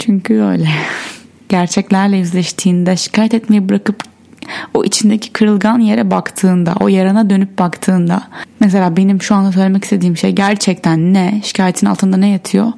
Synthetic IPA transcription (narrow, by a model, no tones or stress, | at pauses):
t͡ʃʰyɲcʰyø̰jlʲɛ | ɟ̥æɾt͡ʃʰɛclʲæɾlʲɛjyzlʲɛʃt̪ʰiːnd̪ɛʃi̥cʰaːjɛt̪ɛt̪me̞jɛbɯɾakɯp | oʔit͡ʃʰind̪ecʰi̥kʰɯɾɯlˠɡanje̞ɾɛbakt̪ʰɯːnd̪a̰ʔo̞jaɾanad̪ø̞nyp̚bakt̪ʰɯːnd̪amɛs̬elʲaːbe̞nimʃuand̪asølʲeɛcist̪ʰe̞d̪iːmʃḛjɟæɾt͡ʃʰɛc̚t̪ʰænːɛʃi̥cʰaːjet̪ʰina̰lˠt̪ɯnd̪anɛjat̪ʰɯjo